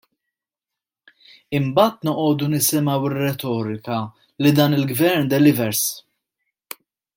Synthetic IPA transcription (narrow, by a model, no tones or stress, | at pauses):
ɪmbɐːt̪nɔʔɔːd̪unɪsɪmɐwɪrɛt̪ɔːɾɪkɐ | lid̪ɐːnɪlɡvɛɾnd̪ɛlɪvɛɾs